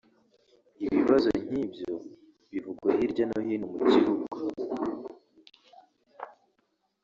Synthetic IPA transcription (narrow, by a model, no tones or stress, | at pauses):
iβiβazo̞ɲ̥ibjo | βivuɡwahiɾɟanohinumucihuɡu